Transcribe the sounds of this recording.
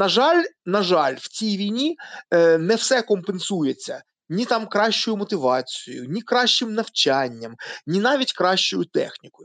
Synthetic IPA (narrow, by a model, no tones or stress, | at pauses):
nɐʒɑlʲnɐʒɑlʲwt͡sʲijʋʲijnʲi | nɛwsɛkɔmpensujet͡sʲːɐ | nʲit̪ɑmkɾɑʃt͡ʃʊjʊmɔt̪ɪʋɑt͡sʲijʊ̰jʊ̰nʲikɾɑʃt͡ʃɪmnɐwt͡ʃanʲːɐmnʲinɑʋʲitʲkɾɑʃt͡ʃʊjʊt̪ɛ̰xnʲikɔjʊ